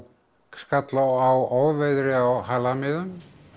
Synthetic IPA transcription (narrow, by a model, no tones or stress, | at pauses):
skat̪lawawɔwvɛðɾɪawhalamɪðʏm